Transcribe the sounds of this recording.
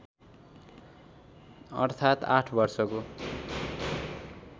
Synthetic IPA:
ʌ̰rt̪ʰat̪aʈʰbʌrsʌko

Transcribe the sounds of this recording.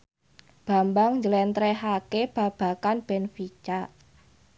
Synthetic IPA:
b̥a̤mbaŋɲd͡ʒəlɛnt̪ɾɛɦakeb̥a̤b̥a̤kanb̥ɛnfit͡ʃa

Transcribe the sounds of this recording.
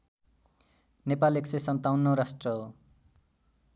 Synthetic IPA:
nepaleksʌjsʌnt̪awnːoɾasʈrʌɦo

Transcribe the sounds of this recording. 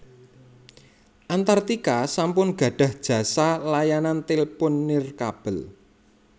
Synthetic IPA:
ʔant̪art̪ikasampʊnɡ̥ä̤ɖ̥ä̤hd̥ʒ̥ä̤salajanant̪ilpʊnːɪrkab̥ə̤l

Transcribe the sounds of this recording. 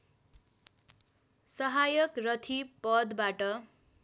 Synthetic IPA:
sʌɦajʌkrʌt̪ʰipʌd̪baʈʌ

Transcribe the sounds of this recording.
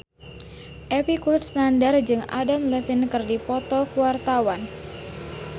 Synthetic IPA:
ʔepikut̪snandard͡ʒɨŋa̰damləfinkɨrdipɔt̪ɔkuwart̪awan

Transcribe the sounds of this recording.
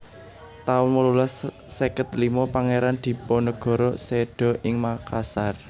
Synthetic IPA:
t̪aʊnməlulasː | ekət̪limɔpaŋeɾand̪̥i̤pɔnəɡ̥ɔ̤ɾɔseɖ̥ɔ̤ʔɪŋmakasar

